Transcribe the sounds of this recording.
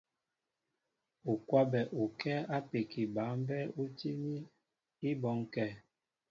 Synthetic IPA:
u˨kwa˦bɛ˨ʔu˨kɛ˦a˦pe˨ki˨ba˨˦m˦bɛ˦u˦ti˦ni˦ | i˦bɔ˨˦ŋkɛ˦˨

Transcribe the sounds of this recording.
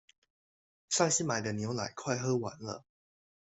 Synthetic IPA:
ʂa˥˧ŋɕi˥ma˨˩ɪd̪ə˦njo˨˧˥ʊla˨˩˦ɪkʰwa˥˧ɪxɤ˥wa̰˨˧˥nlə̰˧

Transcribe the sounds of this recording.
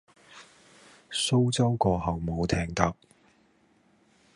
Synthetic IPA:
so˥wt͡sɐ˥wkɔː˧hɐ˨wmo˨˧wt̪ʰɛː˧ŋt̪ɐ˨˥p̚

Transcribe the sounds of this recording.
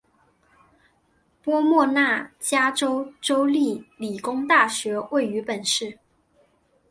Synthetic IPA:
pwɔ˥mwɔ˥˧na˥˩t͡ɕja˥ʈ͡ʂo˥ʊʈ͡ʂo˥ʊli˥˩li˨˩kʊ˥ŋt̪a˥˩ɕɥɛ˧˥we˥˩ɪy˧˥pə˨˩nʂɻ̩˥˩

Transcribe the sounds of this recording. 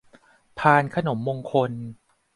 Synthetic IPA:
pʰaː˧nkʰa˧no˩˦mːoː˧ŋkʰo˧n

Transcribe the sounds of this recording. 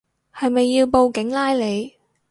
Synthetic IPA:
hɐ˨jmɐ˨jːiː˧wpo˧wkɪ˨˥ŋlaː˥jle˨˧j

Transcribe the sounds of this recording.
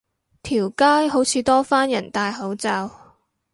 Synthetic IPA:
t̪ʰiː˨˩wkaː˥jɦo˨˥wt͡sʰiː˨˧t̪ɔː˥faː˥njɐ˨˩nt̪aː˧jɦɐ˨˥wt͡saː˧w

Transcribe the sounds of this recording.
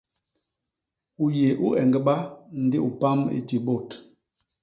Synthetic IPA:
u˨je˨ʔu˦ʔɛ˨ŋɡə˨˦ɓa˦n̩˨˦di˦ʔu˨pa˦mḭ˦ti˨bo˦˨t

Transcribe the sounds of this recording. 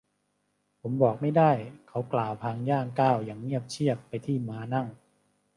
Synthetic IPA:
pʰo˩˦mbɔː˨˩k̚ma˥˩jdaː˥˩jkʰa˩˦˥wklaː˨˩wp̪ʰaː˧ŋjaː˥˩ŋkaː˥˩wjaː˨˩ŋːi˥˩əp̚t͡ɕʰi˥˩əpːa˧jt̪ʰiː˥˩maː˨˧˥na˥˩ŋ

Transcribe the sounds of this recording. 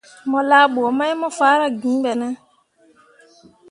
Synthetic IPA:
mɔ̃˨laː˦bo˨ɔ˨mã˦ɛ˦mɔ̃˦faː˨˦ɾa˨ɡĩ˨˦bɛ˨nã˦

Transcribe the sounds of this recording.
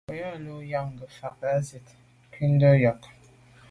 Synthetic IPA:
o˨jɔ˦˨lo˦ja˦˨ŋ˨ɡə˨fa˨k̚a˦zi˨t | ki˦n˦də˦jɔ˨k

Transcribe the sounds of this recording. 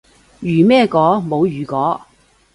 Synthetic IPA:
jyː˨˩mɛː˥˧kɔː˨˥mo˨˧wjyː˨˩kɔː˨˥

